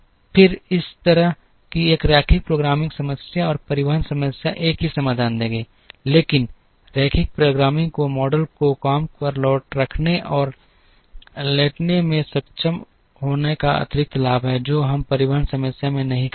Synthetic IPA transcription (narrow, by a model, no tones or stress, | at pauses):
pʰɪɾɪst̪ɐɾəɦ | kieːkɾɛːkʰɪk̚pɾoːɡɾaːmɪ̃ŋɡsɐməsjaɔːɾpɐɾɪʋəɦənsɐməsjaʔeːkɦisɐmaːd̪ʱaːnd̪ẽːŋɡeː | leːkɪn | ɾɛːkʰɪk̚pɾoːɡɾaːmɪ̃ŋɡkomɔːɖəlkokaːmkəɾlɔːʈɾɐkʰneʔɔːɾ | leːʈnemẽsɐkt͡ʃəm | ɦoːnekaɐ̰t̪ɪɾɪk̚t̪laːbɦɛd͡ʒoːɦɐmpɐɾɪʋəɦənsɐməsjamẽnɐɦĩk